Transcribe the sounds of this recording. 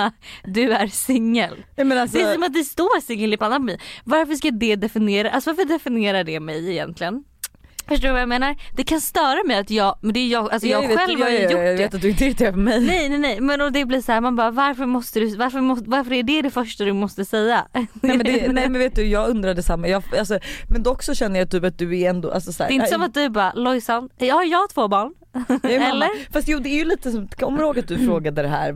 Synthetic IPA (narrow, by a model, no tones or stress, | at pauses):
d̪ɵæɾsɪŋːəlmɛnad̪ɛsɔmat̪̚d̪ɛst̪oːɾsɪŋːəlɪpʰanːapmɪvaɾfœʂkad̪ɛd̪ɛfɪnɪeːɾaʔalsɔvaɾfœɖɛfɪnɪeːɾaɖɛmɛjɪjɛ̰nt̪lɪɡən | fœʂʈoːɾvajameːnaɾd̪̥ɛkʰanst̪œːɾamɛjat̪jɑːɡmɛnd̪ɛːjjɑːɡals̬ɔjɑːɡɧɛlːvhaɾveːt̪at̪̚d̪ɵɪnt̪əɪɾɪt̪ʰefœmɛjnɛjnɛnɛjmɛnɔd̪ɛbliːshæːɾmanbɑːɾavaɾfœɾmɔst̪əd̪ɵvaɾfœɾmɔvaɾfœɾæɖɛd̪ɛfœʂʈad̪ɵmɔst̪əsɛjːaɛmɛnd̪ɛnɛmɛnveːt̪d̪ɵjɑːɡɵnd̪ɾad̪ɛsamːajɑːfalsɔmɛnd̪ɛɔksɔɕɛnd̪əjat̪ʰyːpat̪̚d̪ɵæɾɛnd̪ɔ̰ʔa̰lsɔsæ̰ːɾɛɪnd̪əsɔmat̪̚d̪ɵæɾbɑːɾalɔjsanːhaɾjɑːɡt̪ʰvoːbɑːɳ | ɛlːəfast̪juːd̪ɛːɾjɵliːt̪əsɔmkʰɔmːəɾhoːɡat̪̚d̪ɵfɾoːɡad̪əd̪ɛɦæ̰ːɾ